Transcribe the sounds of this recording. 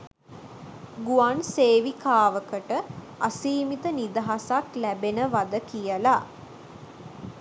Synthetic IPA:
ɡuanseːʋikʰaːʋəkəʈə | asiːmit̪ənid̪əɦasaklæbenəʋad̪əkijəla

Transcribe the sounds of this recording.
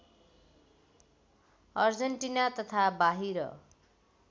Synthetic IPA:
ʌrd͡zʌɳʈinat̪ʌt̪ʰabaɦiɾʌ̰

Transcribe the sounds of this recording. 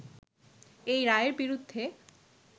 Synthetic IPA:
ejɾaeɾbiɾud̪ʱːe

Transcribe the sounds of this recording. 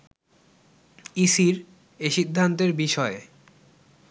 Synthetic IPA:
isiɾ | eʃid̪ʱːant̪eɾbiʃɔe

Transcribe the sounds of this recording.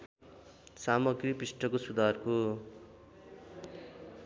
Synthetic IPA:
samʌɡriprisʈʰʌkosud̪ʱarko

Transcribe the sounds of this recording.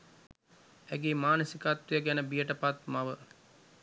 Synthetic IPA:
æɡemaːnəsikat̪wujəɡɛnəbijəʈəpat̪maʋə

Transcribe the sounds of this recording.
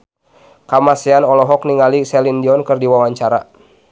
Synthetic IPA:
kamasianɔlɔɦɔk̚niŋalisɛlindiɔnkɨrdiwawaɲt͡ʃaɾa

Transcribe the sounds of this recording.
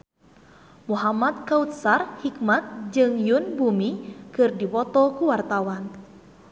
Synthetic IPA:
muɦamat̪̚kaut̪̚sarhik̚mat̪̚d͡ʒɨŋjunbumikɨrdipɔt̪ɔkuwart̪awan

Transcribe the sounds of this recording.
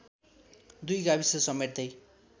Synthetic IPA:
d̪ujɡabisʌsʌmerd̪ʌj

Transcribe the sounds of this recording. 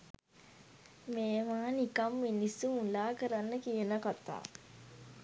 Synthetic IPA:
meːʋaːnikɐmːinisuunlaːkəɾanːəkijənəkat̪a̰ː

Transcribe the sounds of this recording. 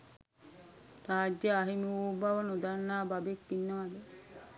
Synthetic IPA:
raːd͡ʒjəaɦimiuːbaʋənud̪anːaːbabekːinːəʋad̪ə

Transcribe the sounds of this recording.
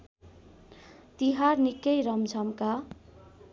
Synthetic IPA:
t̪iɦarnikːʌjɾʌmd͡zʱʌmka

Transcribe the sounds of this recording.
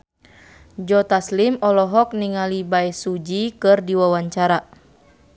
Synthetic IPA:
d͡ʒɔt̪aslimɔlɔɦɔk̚niŋalibaɛsud͡ʒikɨrdiwawaɲt͡ʃaɾa

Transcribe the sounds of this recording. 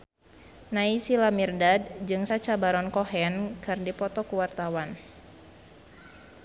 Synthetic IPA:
naisilamirdad̚d͡ʒɨŋsat͡ʃabaɾɔnkɔɦɛnkɨrdipɔt̪ɔkuwart̪awan

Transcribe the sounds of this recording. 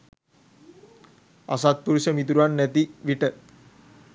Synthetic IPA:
a̰sat̪̚puɾusəmit̪̬uɾuʋanːæt̪iʋiʈə

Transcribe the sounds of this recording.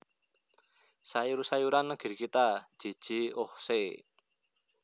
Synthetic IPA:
saiɾusajuɾanːəɡ̥i̤rkit̪ḁd͡ʒ̥i̤d̥ʒ̥i̤ohse

